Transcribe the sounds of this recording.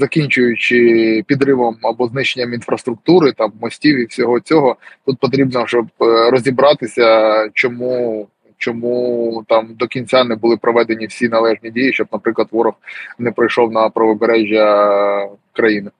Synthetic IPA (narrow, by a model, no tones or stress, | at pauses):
zɐkʲinʲt͡ʃʊjʊt͡ʃɪpʲid̪ɾɪʋɔmɐbɔznɪʃenʲːɐminfɾɐst̪ɾʊkt̪uɾɪt̪ɑmːɔsʲtʲiwiwsʲɔɦɔt͡sʲɔɦɔt̪ut̪̚pɔt̪̬ɾʲibnɔʒɔbɾɔzʲibɾɑt̪ɪsʲɐt͡ʃɔmu | t͡ʃɔmut̪ɑmd̪ɔkʲinʲt͡sʲanɛbʊlˠɪpɾɔʋɛd̪enʲiwsʲinɐlˠɛʐnʲidʲijiʃt͡ʃɔb̚nɐpɾɪklˠɐt̪ʋɔɾɔxnɛpɾɐjʃɔwnɐpɾɐʋɔbeɾɛʒʲjɐ | kɾɐjinɪ